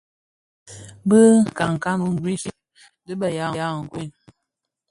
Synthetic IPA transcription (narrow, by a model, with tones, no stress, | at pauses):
bə˦˨ka˨ŋ˨ka˦nu˦n̩˨zi˦ʃi˦ | dɨ˦bə˨ja˨˦˨ja˦˨ŋ̩˨kwi˦˨n